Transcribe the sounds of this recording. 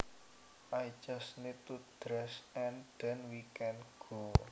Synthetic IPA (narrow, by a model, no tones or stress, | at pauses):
ʔajd͡ʒasnid̚t̪ud̥ɾɛsɛnd̪̥ɛnwikɛnɡ̥o